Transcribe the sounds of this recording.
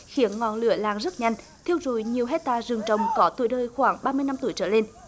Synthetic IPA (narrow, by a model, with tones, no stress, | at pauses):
xi˨˦ənŋɔ̰˧˨nlɨ̰˧˩əla̰ː˧˨˩ŋzə˦˥t̚ɲa˧jŋ̟ | t̪ʰi˧əwzṵ˧˩jɲi˨˩əwɦɛ˦˥t̚t̪aː˧zɨ˨˩əŋt͡ɕə˨˩wŋ͡mkɔ˨˦t̪ṵ˧˩əjɗəː˧jxwaː˧˩ŋɓaː˧mɨ˧əjna˧mt̪u˧˩əjt͡ɕəː˧˩le˧n